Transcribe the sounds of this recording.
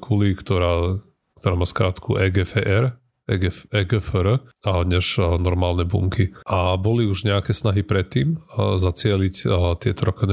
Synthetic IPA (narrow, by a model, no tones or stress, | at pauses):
kʰulikt̪ɔɾaː | kt̪ɔɾaːmaːskɾaːt̪kʰṵʔɛɡɛfɛʔɛɾ | ɛɡɛɛɡɛfəɾɲɛʒnɔɾmaːlnɛbṵŋkʰiʔabɔliuʒɲɛakɛsnaɦipɾɛt̪ːiːmzat͡sɪɛlict̪ɪɛt̪ɔɾɔkɔn